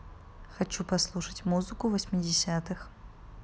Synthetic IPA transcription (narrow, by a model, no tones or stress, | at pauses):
xɐt͡ɕupɐslˠuʂətʲmuzɨkʊvəsʲmʲɪdʲɪsʲat̪ɨx